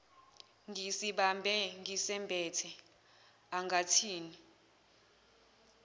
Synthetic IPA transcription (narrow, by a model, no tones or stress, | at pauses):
ŋisiɓambʱɛŋisɛmbʱɛːtʰɛ | aŋʱatʰiːni